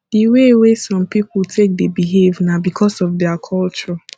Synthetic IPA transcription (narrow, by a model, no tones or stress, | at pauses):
d̥iwewesɔ̃mpipultʰek̚debiɦevnabikʰɔsɔfdɛakʰɔlt͡ʃɔ